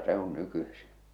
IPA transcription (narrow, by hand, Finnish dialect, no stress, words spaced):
se on nykysi